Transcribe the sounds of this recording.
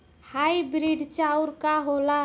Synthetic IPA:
hajbɾiɖt͡ʃauɾkaɦola

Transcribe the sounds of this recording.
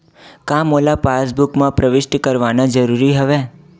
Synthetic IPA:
kãːmoːlapaːs̬bʊkmãpɾəʋɪʃʈkɐɾʋaːnad͡ʒɐɾuːɾiɦɐʋeː

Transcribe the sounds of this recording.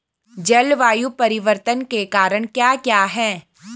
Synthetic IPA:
d͡ʒɛlʋaːjupɐɾɪʋəɾt̪ənkekaːɾəɽ̃kjaːkjaːɦɛː

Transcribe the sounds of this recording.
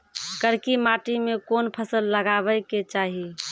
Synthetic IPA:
kəɾkimaʈimekonpʰəsəlːəɡabəjket͡ʃaɦi

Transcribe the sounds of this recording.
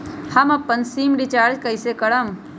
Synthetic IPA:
hɐmɐpːənsiːmɖit͡ʃaːɾd͡ʒkəisekəɽəm

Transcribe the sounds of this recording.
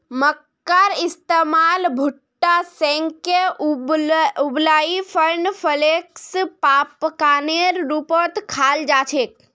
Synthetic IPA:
məkːaɾɪst̪emaːlbʱʊʈːasɛ̃ŋke | ʊblaːifʰəɾnfʰəlekspaːpkaːneɾːupoːt̪kʰaːld͡ʒaːt͡ʃʰeːk

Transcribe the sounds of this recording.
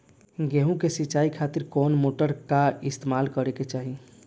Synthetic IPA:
ɡeɦũkesiːt͡ʃaikʰat̪iɾkɔnmoʈəɾkaɪst̪emalkəɾeket͡ʃaːɦi

